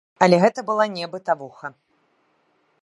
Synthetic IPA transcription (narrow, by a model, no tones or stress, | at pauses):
ɐlʲɛɣɛt̪ɐbɨlˠanʲɛbɨt̪avuxɐ